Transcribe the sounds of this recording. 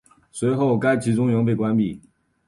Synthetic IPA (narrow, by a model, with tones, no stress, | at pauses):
swe˧˥ɪxo˥˩ʊka˥ɪt͡ɕʰi˧˥ʈ͡ʂʊ˥ŋɥɤ˧˥ŋp̬e˥˩ɪkwa˥npi˥˩